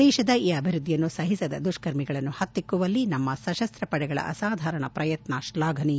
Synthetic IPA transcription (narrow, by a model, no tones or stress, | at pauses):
ɛːʃɐd̪ɐiːɐbʱiɾud̪ʱːijɐnːusɐɦisɐd̪ɐd̪uʂkɐɾmiɡɐɭɐnːuhɐt̪ːikːuʋɐlːinɐmːɐsɐʃɐst̪ɾɐpɐɽɛɡɐɭɐ̰ʔɐ̰saːd̪ʱaːɾɐɳɐ̰pɾɐjɐt̪naːʃlaːɡʱɐni